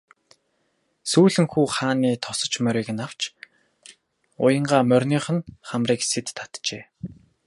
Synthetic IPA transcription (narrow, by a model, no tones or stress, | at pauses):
suːɮɘ̆ŋxuːχaːniːt̪ʰɔsə̆t͡ɕmœɾʲiːɣɘ̆naw̥t͡ɕ | ʊ̰jə̆ɴɢaːmœrʲniːχə̆nχamriːkset̪ʰːḁt̪t͡ɕeː